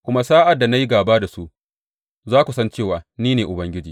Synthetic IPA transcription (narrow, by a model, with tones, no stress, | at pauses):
kʷʊ˦ma˦saː˦ʔa˨dːa˨na˦ji˦ɡaː˨baː˦da˨su˦ʔ | zaː˦kʷu˨sɐ˦nt͡ʃeː˦˨waː˨niː˦neː˨ʔʊ˨bɐ˦ŋɡʲɪ˦d͡ʒiː˨